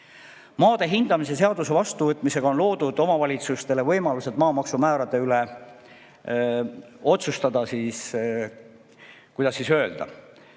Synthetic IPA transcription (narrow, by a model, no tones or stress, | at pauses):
mɑːd̪̥e̞ɦind̪̥ɑmise̞se̞ɑd̪̥use̞vɑst̪uvɤt̪ːˑmise̞ɡ̥ɑonlo̞ːd̪̥ud̪o̞mɑvɑlʲit̪sust̪e̞le̞vɤjmɑluse̞d̪mɑːmɑksumæːɾɑt̪ːˑe̞yle | o̞t̪sust̪ɑd̪̥ɑsiːs | kujd̪ɑsːisø̞e̞ld̪̥ɑ̰